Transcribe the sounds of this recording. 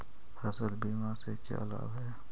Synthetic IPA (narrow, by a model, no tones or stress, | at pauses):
hɐsəlbiːmãːsekḛʔɐ̰la̰ːʋɛː